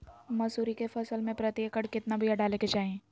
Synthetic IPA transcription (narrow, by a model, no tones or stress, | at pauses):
mɐsuːɾikefɐsəlmẽpɾɐt̪jəkəɽkɪt̪nabʱiɐɖaːleked͡ʒaːɦẽː